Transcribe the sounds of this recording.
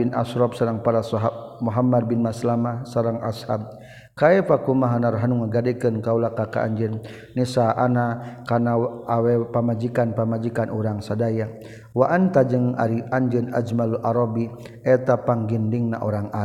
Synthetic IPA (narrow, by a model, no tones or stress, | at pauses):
ina̰sɾɔpsaɾaŋpaɾasɔɦab̚muɦamad̚binmaslamasaɾaŋa̰shab̚ | kaɛfakumaɦanaɾɦanuŋaɡadɛkɨnkaulakaka̰a̰ɲd͡ʒənː | isaʔanakanaawɛpamad͡ʒikanpamad͡ʒikanuɾaŋsadaja | waʔant̪ad͡ʒəŋa̰ɾiaɲd͡ʒəna̰d͡ʒmaluʔaɾɔbi | ɛt̪apaŋɡindiŋna̰ʔoɾaŋa